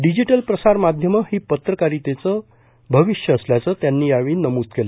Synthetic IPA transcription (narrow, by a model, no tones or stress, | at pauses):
ɖid͡ʑiʈəlpɾəsaɾmad̪ʱjəməhiːpət̪ɾəkaɾiːt̪et͡sə | bʱəʋiɕjəəsljat͡səːt̪janːiːjaʋiːnəmuːt̪kele